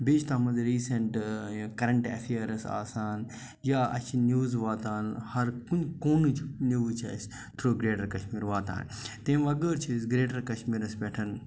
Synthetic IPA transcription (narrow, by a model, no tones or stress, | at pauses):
bit͡ʃʰt̪ɐːmɐnziɾiːsɐɳʈkɐɾɐɳʈḛfʰiəɾɐsa̰ːsaːn | jaːɐ̰t͡ʃʰinjuːzʋaːt̪aːnhɐɾkunkoːnɨt͡ʃʰnuːt͡ʃʰɐ̰s | t̪ʰɾoːɡɾeːʈɐɾkɐʃmiːɾʋaːt̪a̰ːn | t̪ẽːʋɐɡəːɾt͡ʃʰisɡɾeːʈɐɾkɐʃmiːɾɐspɛʈʰɐn